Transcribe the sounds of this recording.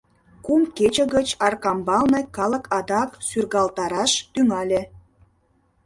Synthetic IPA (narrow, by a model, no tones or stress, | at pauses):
kumket͡ɕə̆ɣət͡ɕɑrkɑmbɑlnɤ̆kɑlə̆kʰɑd̪ɑksyrɣɑlt̪ɑɾɑʃt̪yŋɑlʲĕ